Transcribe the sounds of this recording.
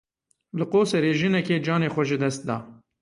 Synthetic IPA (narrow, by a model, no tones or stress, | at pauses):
lɨqoːsɛɾeːʒɨnɛkeːd͡ʒɑːneːxʷɛʒɨd̪ɛst̪̚d̪ɑ̰ː